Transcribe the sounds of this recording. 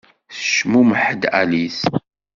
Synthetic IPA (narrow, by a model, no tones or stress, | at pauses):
θə̥ʃmuməħəd̪æ̰lis